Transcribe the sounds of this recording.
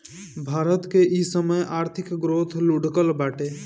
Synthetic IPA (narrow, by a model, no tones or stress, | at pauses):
bʱaːɾət̪keʔisəməjʔaːɾt̪ʰɪkɡɾoːt̪ʰluɖkəlbaːʈe